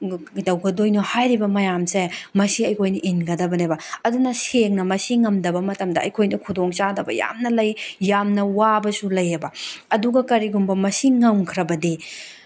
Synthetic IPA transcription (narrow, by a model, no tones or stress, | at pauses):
dɐwɡɐdojnohajɾibɐmɐjamsemɐsiɐjkʰojnɐʔinɡɐdɐbɐnebɐɐdunɐseŋnɐmɐsiŋɐmdɐbɐmɐtɐmdɐɐjkʰojnɐkʰudoŋt͡ʃadɐbɐ̰ja̰mnɐlɐjjamnɐwabɐsulɐjɐbɐɐduɡɐkɐɾiɡumbɐmɐsiŋɐmkʰɾɐbɐdi